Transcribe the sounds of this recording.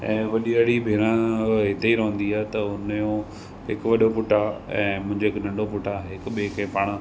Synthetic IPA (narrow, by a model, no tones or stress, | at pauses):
ɛ̃ːʋɐɗiəɽibʱeːɾãɦɪt̪eiɾɐɦə̃nd̪iaːɦet̪ɐʊnjõ | ɦɪkʋɐɗopʊʈaɛ̰̃ːmʊ̃ɦɪ̃ɲd͡ʑeɦɪknɐ̃ɳɖopʊʈʰaɦeɪkɓeːkẽːpaːɽ̃ã